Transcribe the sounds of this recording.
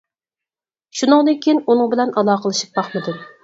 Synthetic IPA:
ʃunɨŋd̪ɨŋkʲʰijinunɨŋbɪlɛnʔɑlˠɑːqəlˠɨʃɨ̥p̚b̥ɑχmɨd̪un

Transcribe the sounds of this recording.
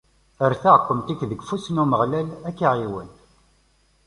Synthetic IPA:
əɾθaʁqːəmt̪ikðəɡfusnuməʁlælækːiʕiwən

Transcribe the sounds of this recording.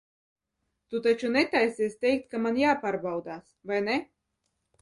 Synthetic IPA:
t̪ut̪at͡ʃunɛt̪ajsiɛsʲt̪ʲɛjk̚t̪̚kamanjaːpaːɾbawd̪aːsvajnɛ

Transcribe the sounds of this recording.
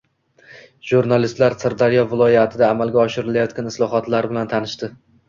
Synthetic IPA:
ʒuɾnalɪst̪laɾsɨɾd̪aɾijɒvɪlˠɒjat̪ʰɪd̪aːmalɡʲaɒʃɪɾɪlajɒt̪kʲanɪslˠɒɦɒt̪laɾbɪlant̪ʰanɪʃt̪ɪ

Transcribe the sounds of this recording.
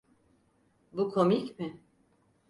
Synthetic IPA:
bukʰomicmɪ

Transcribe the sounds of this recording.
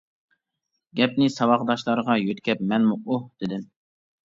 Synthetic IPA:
ɡʲɛpnɪsɑwɑqd̪ɑʃlˠɑɾəʁɑjøt̪kʲʰɛpmɛnmuʔuhd̪̥ɪd̪ɪm

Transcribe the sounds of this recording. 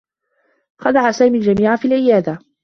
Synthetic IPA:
xɑd̪aʕasaːmiːld͡ʒamiːʕafiːlʕɪjaːd̪a

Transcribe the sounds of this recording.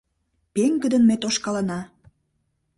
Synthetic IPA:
peŋɡə̆d̪ənmet̪oʃkɑlənɑ

